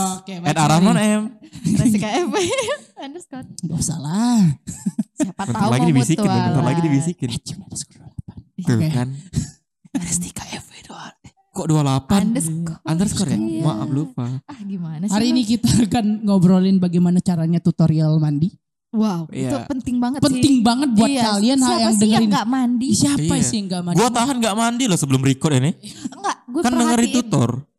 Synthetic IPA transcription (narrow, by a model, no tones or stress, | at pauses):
kemɛdaɾamɔnɛm | kaɛfeandəskɡausa̰la | saatmənlaɡidibisitɪnamənt̪alaɡidibisikɪnt͡ʃamabaskɔduallapank̪ukkan | ɾst̪i̥kaɛfedoa | kɔʔdualapansand̪ərskɔɾa̰maʔablufaaɡimanahaɾiːnik̬it̪akanŋobəɾolɪnbaɡajmanat͡ʃaɾaɲat̪ut̪oɾialmandi | waujapənt̪ɪŋbaŋət̪pənt̪ɪŋbaŋət̪̚buat̪̚kalianhaljaŋdəŋəɾinamandisiapasiŋɡaʔmaɡuat̪aɦanŋɡaʔmandilɔhsəbəlʊmɾikɔrinɪŋɡaɡkandəŋərit̪ut̪ɔ̰r